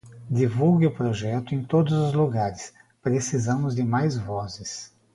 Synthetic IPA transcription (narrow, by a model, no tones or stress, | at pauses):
d̪ivuwɡɪʊpɾoʒɛt̪ʊẽj̃t̪od̪ʊzʊzluɡaɾɪs | pɾesizɐ̃mʊzd̪ɪmajzvɔzɪs